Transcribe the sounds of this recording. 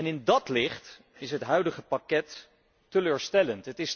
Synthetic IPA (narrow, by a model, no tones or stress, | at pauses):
ɛnɪndɑtlɪχt | ɪsɦətɦœɥdəχəpakɛtː | əløːɹstɛləntɦətɪs